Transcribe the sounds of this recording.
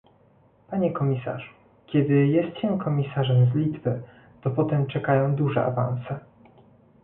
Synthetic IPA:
paɲɛkɔmʲisa̰ʐu | kʲɛd̪ɘjɛst̪ɕɛmkʰɔmʲisaʐɛmzlʲid̪vɘ | t̪ɔpɔt̪ɛmt͡ʂɛkajɔ̃w̃d̪uʐɛ̰a̰va̰nsɛ

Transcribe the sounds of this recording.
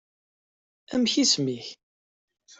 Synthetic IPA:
æmçismiç

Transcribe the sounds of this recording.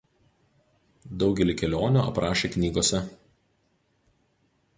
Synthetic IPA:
d̪ɒʊɡʲɛlʲiˑkʲɛlʲoːnʲuːɐ̰pɾɑːʃʲeːknʲiːɡoːsʲɛ

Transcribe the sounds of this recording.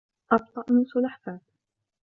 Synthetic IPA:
ʔɑb̚t̪ˤɑʔnusʊlaħθaːt̪

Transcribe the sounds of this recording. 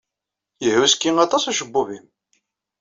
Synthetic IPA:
jəhuskːiŋɑt̪ˤɑsæʃəbːuvim

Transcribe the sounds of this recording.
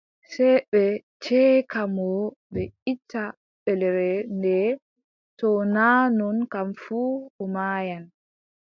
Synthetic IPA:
sɛɓɛ | t͡ʃɛːkamɔɓɛitʰːa | ɓɛlɛɾɛndɛ | tɔnaːnɔnkamfuːɔmaːjan

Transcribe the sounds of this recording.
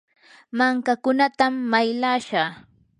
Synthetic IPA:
maŋkakʊnat̪amːajlaːʃaː

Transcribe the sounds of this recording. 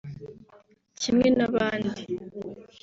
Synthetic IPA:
cimŋenaβaːndi

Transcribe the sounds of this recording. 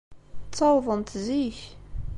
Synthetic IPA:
t͡st͡sːɑwðˤənt̪ziç

